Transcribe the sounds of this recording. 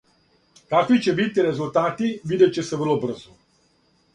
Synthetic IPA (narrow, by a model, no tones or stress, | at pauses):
kakʋit͡ʃɛbit̪ːiɾɛzult̪aːt̪ivid̪ɛt͡ʃɛsɛʋərlɔbər̩zɔ